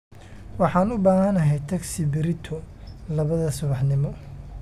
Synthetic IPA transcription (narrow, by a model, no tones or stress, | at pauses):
wɑħɑːnʊbaːɦɐnɐɦɛjt̪ʰɐksɪbɪɾɪt̪ʰɔlɐβɐðɐsʊβɑħnɪmɔ